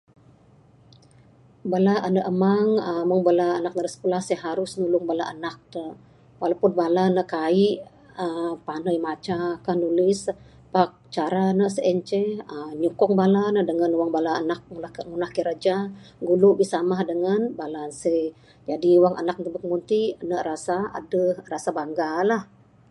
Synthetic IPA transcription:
balaʔənəʔəmaŋəməŋbalaːnak̚nəɾəsə̥pulahsəɦaɾʊsnulʊŋbalaʔanak̚t̪ə | walapunbalanəkaiʔ | əpanəjmat͡ʃakandulɪs | pak̚t͡ʃaɾanəsəʔɛɲt͡ʃɛəɲukɔŋbalanədəŋanuwaŋbalaːnak̚ŋuaŋunahkiɾad͡ʒaɡuluʔbisamahdəŋanbalasə | d͡ʒadiwaŋʔa̰nak̚nt̪əbəkəmunt̪inərasaa̰dəhrasabaŋɡalah

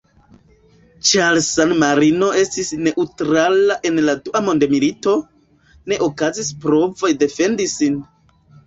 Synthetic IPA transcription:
t͡ʃalsanmaɾino̞e̞stisne̞ʔutɾalaʔe̞nladuʔamo̞nde̞milito̞ | ne̞ʔo̞kazispɾo̞vo̞jde̞fe̞ndisin

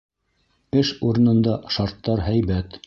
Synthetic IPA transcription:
ɘʃuɾɤ̆nɤ̆nd̪ɑʃɑɾt̪ːɑɾɦæjβæt̪

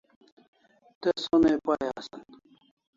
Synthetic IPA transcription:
t̪esonepajasɐn

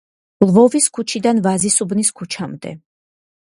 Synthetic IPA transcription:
lˠvɔviskʰut͡ʃʰid̪anvazisubniskʰut͡ʃʰamd̪ɛ̰

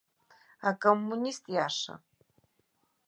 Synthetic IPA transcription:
akʼomːunist̪ʼjaːʂɐ̰

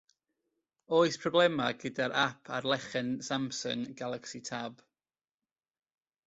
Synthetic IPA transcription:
oːɨspʰrɔblɛmaɡədaɾʔapʰa̰rlˠɛχɛnsamsɔ̰nɡalˠaksitʰab̥

